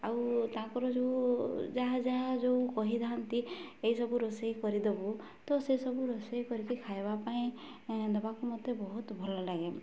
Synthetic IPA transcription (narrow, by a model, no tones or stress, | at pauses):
awt̪ãkɔɾɔd͡ʒowd͡ʒaɦd͡ʒaɦad͡ʒowkɔɦid̪aɦant̪iejsɔbuɾɔsejkɔɾid̪ebu | t̪ɔsesɔbuɾɔsejkɔɾikikʰajbapaĩ | nɔbakumɔd̪ebɔɦut̪bʱɔlɔlaɡe